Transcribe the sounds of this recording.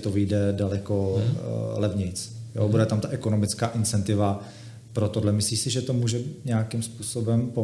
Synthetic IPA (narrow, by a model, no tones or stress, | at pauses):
t̪ovɪjdɛdalɛko | lɛvɲɪt͡sjo̰budɛt̪amt̪aʔɛkono̞mɪt͡skaːʔɪnt͡sɛnt̪ɪva | pɾot̪odlɛmɪsliːsɪʒɛt̪omuːʒɛɲɛakɪmspuːsobɛmpo